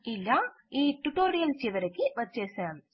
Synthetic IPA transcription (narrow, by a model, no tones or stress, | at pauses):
ɪlːa | iːʈʊʈoːɾijɐlsɛʋɐɾɐkːiʋɐt͡ʃːeːsɛ̃